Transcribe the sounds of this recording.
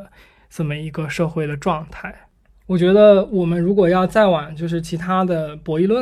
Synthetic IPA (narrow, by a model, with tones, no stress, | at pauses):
ʈ͡ʂə˥˩mə˩i˧˥ɡə˧ʂɤ˥˧xwe˥˩ɪd̪ə˩ʈ͡ʂwɑ˥˧ŋt̪ʰa˥˩ɪ | wɔ˨˩t͡ɕɥɛ˧˥d̪ə˧wɔ˨˩mə˦nɻu˧˥kwɔ˨˩jɑ˥˧ʊt͡sa˥˩ɪwa˨˩˦nt͡ɕjo˥˧ʊʂ̬ɻ̩˥˩t͡ɕʰi˧˥t̪ʰa˥d̪ə˨pwɔ˧˥i˥˧lwə˥˩